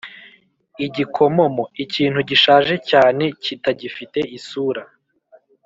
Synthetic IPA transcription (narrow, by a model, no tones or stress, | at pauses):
iɟikʰo̞mo̞mo̞iciːn̥huɟiʃaːʒe̞caːne̞citaɟifite̞isuːɾa